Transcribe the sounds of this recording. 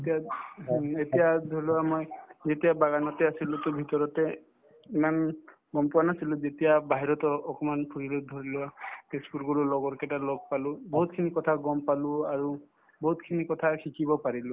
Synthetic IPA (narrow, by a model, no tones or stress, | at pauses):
etija | etijadʱoiluamojzetijabaɡanɔtɛasilʊ̃tʊbʱitɔɹɔtɛ | iman | ɡɔmpʊanasilʊ̃zetijabʱaɦiɹɔtɔɔkɔmanpʰuɹiled̪ʱoɹilʊapespuɹɡuɹulɔɡɔɹkɛtalɔɡ̚palʊ̃bɔɦut̚kʰinikɔtʰaɡɔmpalʊ̃aɹu | bɔɦutkʰinikɔtʰakʰikibɔpaɹilʊ̃